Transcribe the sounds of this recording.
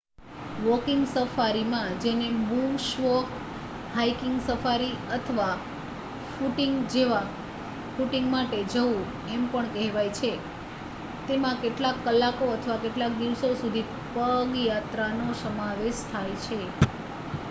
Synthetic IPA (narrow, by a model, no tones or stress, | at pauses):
ʋɔkiŋɡsəfaɾimãd͡ʒenemuʃʋɔk | ɦajkɪŋɡsəfaɾiət̪ʰəʋa | fuʈiŋɡd͡ʒeʋa | fuʈiŋɡmaʈed͡ʒəʋũ | empəɳkɛɦʋajt͡ʃʰe | t̪emãkeʈlakːəlːakoət̪ʰəʋakeʈlak̚d̪iʋsosud̪ʱi | pəŋɡjat̪ɾanosəmaʋeʃt̪ʰajt͡ʃʰe